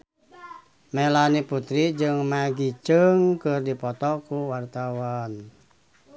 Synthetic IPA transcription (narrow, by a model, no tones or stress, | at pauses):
mɛlaniput̪ɾid͡ʒɨŋmaɡit͡ʃəŋkɨrdipɔt̪ɔkuwart̪awan